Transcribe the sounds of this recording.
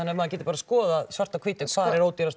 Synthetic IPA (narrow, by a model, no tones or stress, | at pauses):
anːɛɾmaðcɛt̪ɪ̥paːɾaskɔːðasvar̥t̪akʰviːt̪ɪkʰv̥aːɾɛɾoːwt̪iɾas